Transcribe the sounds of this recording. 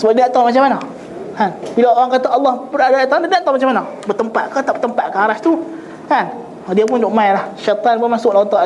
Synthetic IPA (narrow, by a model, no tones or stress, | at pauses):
səbaadaʔt̪ɔmat͡ʃamana | kanbilaoɾaŋkat̪aɑlːɑhbəɾaʔdaaʔt̪aandadaʔt̪ɔmat͡ʃamana | bət̪əmpat̪̚kat̪aʔbət̪əmpat̪̚kaaɾast̪u | kan | ɔdiap̬ʊndoʔmajlahʃat̪ˤanbamasʊklant̪ɔʔ